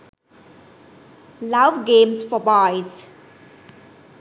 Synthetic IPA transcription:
laʋɡẽːmsfɔbaɪz

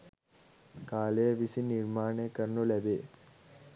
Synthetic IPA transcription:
kaːlejɐʋisiniɾmaːɳekːɐɾɳulɛbeː

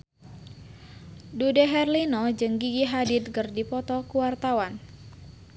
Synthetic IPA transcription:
dudɛɦɛrlinɔd͡ʒɨŋɡiɡiɦadit̪̚kɨrdipɔt̪ɔkuwart̪awan

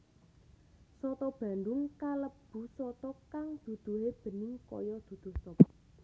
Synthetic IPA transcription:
sɔt̪ɔb̥a̤nd̪ʊŋkaləb̥ṳsɔt̪ɔkaŋd̪̥ṳd̪̥ṳɦeb̥ə̤nɪŋkɔ̰jɔd̪̥ṳd̪̥ʊ̤hsɔp

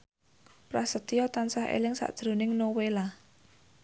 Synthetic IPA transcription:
pɾasət̪ijɔt̪ansahḛlɪŋsa̰ʔd̥ʒ̥ɾṳnɪŋnowela

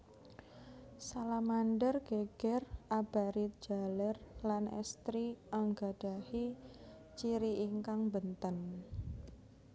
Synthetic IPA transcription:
salamanɖərɡ̥eɡ̥ɛrʔab̥aɾit̪̚d͡ʒ̥a̤lərlanɛ̰st̪ɾiaŋɡa̤ɖ̥a̤hi | t͡ʃiɾiʔiŋkaŋbənt̪ən

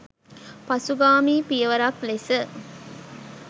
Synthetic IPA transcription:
pɐsuɡaːmiːpijəʋɐɾɐklesə

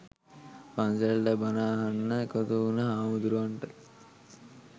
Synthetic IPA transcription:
panselʈəbanaːɦanːəekot̪uunəɦaːmud̪uɾuʋaɳʈə

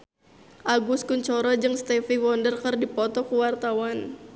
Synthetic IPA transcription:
ʔaɡuskuɲt͡ʃɔɾɔd͡ʒɨŋst̪ɛfiwɔndərkərdipɔt̪ɔkuwart̪awan

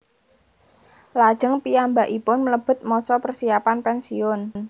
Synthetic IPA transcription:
lad̥ʒ̥əŋpiambaʔipʊnmələb̥ʊ̤t̪̚mɔsɔpərsiapanpɛnsiʊnn

